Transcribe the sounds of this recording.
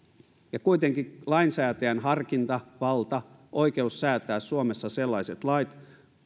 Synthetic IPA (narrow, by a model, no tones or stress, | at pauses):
jɑkuit̪eŋkilɑinsæːt̪æænhɑrkint̪ɑʋɑlt̪ɑ | ʔoikeusːæːt̪æːssuomesːɑselːɑiset̪lɑit̪